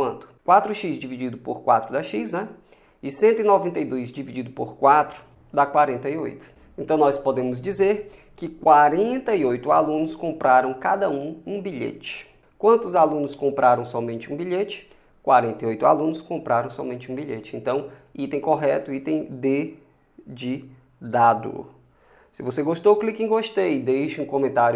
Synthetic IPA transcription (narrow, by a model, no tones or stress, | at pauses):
kwɐ̃nt̪ʊ̥kwat̪ɾʊʃisd͡ʒivid͡ʒid̪ʊpoɾkwat̪ɾʊd̪ɐʃisnɛ | ɪsẽnt̪ʊɪnɔvẽnt̪ɐjd̪ojzd͡ʒivid͡ʒid̪ʊpoɾkwat̪ɾʊ̥ | d̪akwaɾẽnt̪ɐio̰jt̪ʊ̥ | ẽnt̪ɐ̃w̃nɔspod̪ẽmʊzd͡ʒizeɾ | kɪkwaɾẽnt̪ɐiojt̪ʊalũnʊskõmpɾaɾɐ̃w̃kad̪ɐũũbiʎḛt͡ʃɪ̥ | kwɐ̃nt̪ʊzalũnʊskõmpɾʔaɾɐ̃w̃sɔmẽnt͡ʃɪũbiʎet͡ʃɪ̥ | kwaɾẽnt̪ɐiojt̪ʊa̰lũnʊskõmpɾʔaɾɐ̃w̃sɔmẽnt͡ʃɪũbiʎet͡ʃɪẽnt̪ɐ̃w̃ | it̪ẽj̃koɦɛt̪ʊit̪ẽj̃d̪e | d͡ʒɪ | d̪ad̪ʊ̰ | sɪvoseɡoʃt̪oklikĩɡoʃt̪ejd̪ejʃʊũkõmẽnt̪aɾjʊ